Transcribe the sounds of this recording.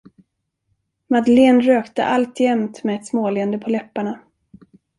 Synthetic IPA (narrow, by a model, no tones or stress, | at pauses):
mad̪leːnɾøːkt̪ə̰ʔalt̪jɛmt̪mɛːt̪smoːleːənd̪əpʰɔlɛpːaɳa